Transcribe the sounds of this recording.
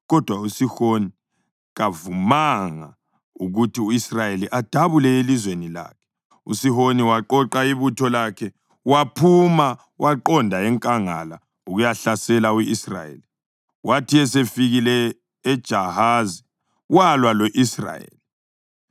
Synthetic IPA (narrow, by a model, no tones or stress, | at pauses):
ɣɔd̥ʱwausihoni | ɣavumaŋa | uɣutʰiuisrajeliʔad̥ʱaβulɛelizwenila̰ːkʰɛ̥ | ṵsihoniwaǃɔǃaiβutʰɔlakʰɛ | wapʰuma | wʔaǃɔndʱaɛŋkʼaŋa̰la | uɣujaɬasɛlauisra̰jḛli | wʔatʰiɛs̬efiɣilɛː | d̥ʒ̥ʱahazi | walwalɔʔisra̰jḛːli